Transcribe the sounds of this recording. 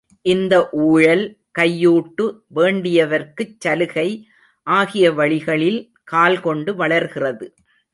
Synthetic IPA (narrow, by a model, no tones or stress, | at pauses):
ʔɪnd̪ɐʔuːɻɐl | kɐjːuːʈːɯʋeːɳɖɪjɐʋɐɾkɯt͡ʃːɐlɯɣɐɪ | ʔaːɣɪjɐʋɐɭɪɣɐɭɪl | kaːlkɔɳɖɯʋɐɭɐɾɣɪrɐðɯ